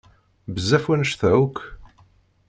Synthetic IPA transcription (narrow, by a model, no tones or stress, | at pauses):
bəzːæfwænəʃθæuk